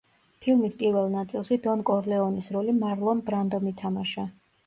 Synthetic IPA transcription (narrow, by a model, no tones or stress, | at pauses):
pʰilˠmispʼiɾvɛlˠnat̪sʼilˠʃid̪ɔnkʼɔɾlɛɔnisɾɔlimaɾlˠɔnbɾand̪ɔmit̪ʰamaʃa